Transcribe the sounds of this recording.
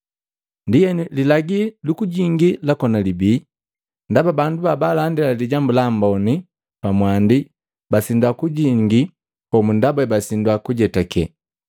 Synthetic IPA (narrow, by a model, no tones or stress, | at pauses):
ndijɛnililaɡilukuɟiŋɡilakɔnalibiː | ndababandubabalandilaliɟambulambɔni | pamwandi | basindwakuɟiŋɡi | pɔmundabɛbasindwakuɟɛtakɛ̰